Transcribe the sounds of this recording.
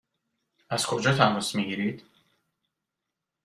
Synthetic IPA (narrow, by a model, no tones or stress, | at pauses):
æz̥kʰo̞d͡ʒɒːt̪ʰænvosmiːɡiɾid̪̥